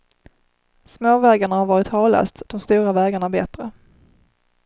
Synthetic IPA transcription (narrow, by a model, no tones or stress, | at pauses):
smoːvɛːɡaɳahaɾvɑːɾɪt̪hɑːlœ̰st̪d̪̥ɔmst̪uːɾavɛːɡaɳabɛt̪ɾə